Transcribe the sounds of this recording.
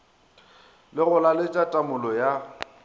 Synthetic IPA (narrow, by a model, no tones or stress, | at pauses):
lɪɣʊlalɪt͡ʃʼatʼamʊlɔja